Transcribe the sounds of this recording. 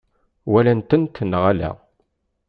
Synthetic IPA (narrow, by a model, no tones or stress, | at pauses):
wælænt̪ənt̪ːənːəʁælæ̰